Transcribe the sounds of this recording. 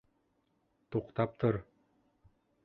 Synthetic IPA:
t̪oqt̪ɑp̚t̪ʰɤɾ

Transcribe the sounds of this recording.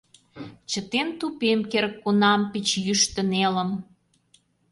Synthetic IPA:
t͡ɕət̪ent̪upemkerkːunɑmpit͡ɕjyʃt̪ə̆nelə̆m

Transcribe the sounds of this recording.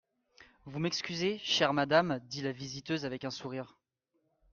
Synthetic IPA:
vumɛkskʲyzeʃɛʁmad̪amd̪ilavizit̪øzavɛkɛ̃suʁiːʁ

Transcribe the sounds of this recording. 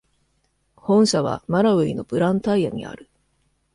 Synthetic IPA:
hõ̞ɰ̃ɕaβ̞a̰maɾaɯ̟ino̞pɯ̟ɾãnt̪aija̰ɲ̟ḭa̰ɾɯ̟

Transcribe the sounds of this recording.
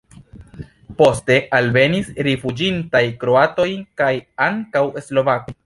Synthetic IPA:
po̞ste̞ʔalve̞nisɾefud͡ʒintajkɾo̞ato̞jkajaŋkawe̞slo̞vakoj

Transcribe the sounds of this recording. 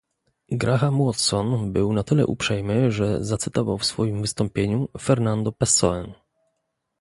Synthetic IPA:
ɡɾaxamwɔt̪sɔnbɘwnat̪ɘlɛ̰ʔṵpʂɛjmɘʐɛzat̪sɘt̪ɔva̰wfsfɔjimvɘst̪ɔmpʲjeɲufɛɾnand̪ɔpɛsɔ̰ɛn

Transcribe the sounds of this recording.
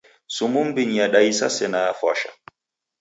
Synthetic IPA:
sumumbiɲjaɗajsasɛnafaʃa̰

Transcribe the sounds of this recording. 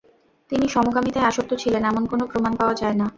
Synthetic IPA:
t̪iniʃɔmoɡamit̪aeaʃok̚t̪ːot͡ɕʰilenɛmonkonopɾomanpaoad͡ʑaena

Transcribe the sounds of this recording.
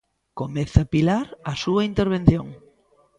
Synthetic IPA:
komeθɐpilaɾɐsuɐint̪eɾβẽn̟θjoŋ

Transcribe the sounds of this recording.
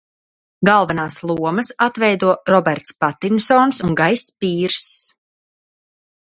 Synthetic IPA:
ɡalˠvanaːslˠuɔməsat̪vɛjd̪uɔɾɔbɛɾt̪spat̪imsɔːnsuŋɡajspiːɾs

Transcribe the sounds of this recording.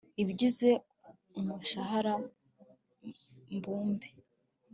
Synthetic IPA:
ibɟize̞ | umuʃaɦaɾa | mbuːmbe

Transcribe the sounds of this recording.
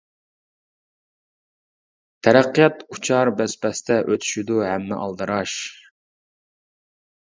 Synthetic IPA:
t̪ʰɛɾæqːijɑt̪ut͡ʃʰɑɾbɛspɛst̪ʰɛʔøt̪ʰy̥ʃyd̪uɦæmːɪ̰ʔɑlˠd̪ɨɾɑʃ

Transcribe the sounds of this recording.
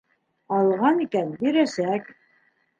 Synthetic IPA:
ɑlˠʁɑnikænbĭɾæsæk

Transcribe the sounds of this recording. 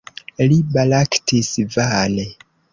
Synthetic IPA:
libalaktʰisvane

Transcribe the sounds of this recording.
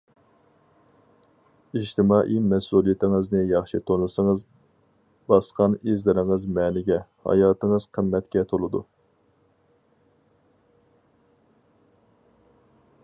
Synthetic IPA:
iʃt̪ʰɪmɑːʔimɛsulˠijit̪ʰɪŋɨznɨjɑχʃit̪ʰonusɨŋəz | bɑsqʰɑnizlɪɾɪŋɨzmɛːnɪɡʲɛhɑ̰jɑːt̪ɨŋəz̥qʰəmːɛt̪kʲɛt̪ʰolˠɨd̪ṵ

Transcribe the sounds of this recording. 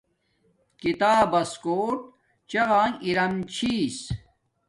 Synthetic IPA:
kit̪aːbɐskoːʈ̚ | t͡ɕɐɣãːŋiɾɐmt͡ɕʰiːs

